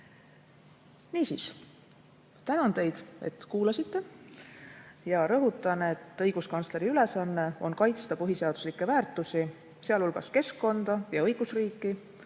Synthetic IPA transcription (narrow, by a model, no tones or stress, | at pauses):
niːsiːs | t̪ænɑnt̪e̞jd̪̥e̞̰t̪ˑkuːlɑsit̪ːe̞ | jɑɾɤɦut̪ˑːɑne̞t̪ːˑɤ̞jɡ̥uskɑnsle̞ɾiyle̞sɑnːe̞o̞nkɑjt̪st̪ɑpɯɦise̞ɑd̪̥u̥slikːˑe̞væːrt̪ːˑusi | seɑlulɡ̥ɑske̞skːo̞nd̪̥ɑjɑɤjɡ̥usriːkˑːi